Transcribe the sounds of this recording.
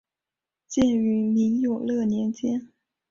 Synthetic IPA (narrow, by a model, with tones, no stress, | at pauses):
t͡ɕjɛ˥˩ny˧˥mi˧˥ŋjo˨˩ʊlɤ˥˩njɛ˧˥nt͡ɕjɛ˥n